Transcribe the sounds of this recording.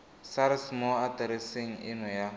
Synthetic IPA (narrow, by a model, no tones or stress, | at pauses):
saɾɪsmɔatɛɾiseŋ̩ɪnɔja